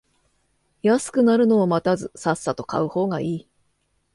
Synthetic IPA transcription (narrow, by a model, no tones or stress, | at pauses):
jasɨ̥kɯ̟naɾɯ̟no̞ːmat̪azɨsasːat̪o̞ka̰ɯ̟ho̞ːɡaʔiː